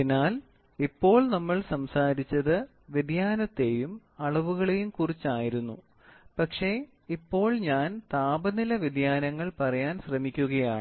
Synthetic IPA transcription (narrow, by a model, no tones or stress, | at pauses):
inːaːl | ipːo̞ːɭnɐmːɐɭsɐmsaːɾit͡ɕːɐðɨ | ʋid̪jaːnɐt̪ːe̞ːjum | ɐɭɐʋuɣɐɭejumkurit͡ɕːaːjiɾunːṵ | pɐkʂe̞ | ipːo̞ːɭɲaːnt̪aːbɐnilɐʋid̪jaːnɐŋːɐɭpɐrɐjaːnɕrɐmikʲːuɣɐjaːɳɨ